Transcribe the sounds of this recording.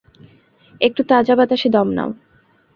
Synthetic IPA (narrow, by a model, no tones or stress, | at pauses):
ek̚ʈut̪ad͡ʑabat̪aʃed̪ɔmna̰o